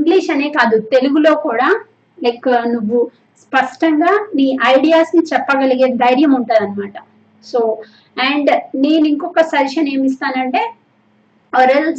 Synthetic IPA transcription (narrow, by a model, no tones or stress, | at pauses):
iŋɡliːʃɐne̞ːkaːd̪ut̪e̞luɡulo̞ːkuːɽaː | lɐjkːnuʋːu | spɐʂʈɐŋɡaːniːʔɐjɽijaːsnit͡ʃɛpːɐɡɐliɡe̞ːid̪ʱɐjɾjɐmuɳʈuːd̪ɐnimaːʈɐ | so̞ː | ɛːɳɖne̞ːniŋkɔkːɐsɐɾʃɐne̞ːmist̪aːnɐɳʈe̞ː | ɐɾel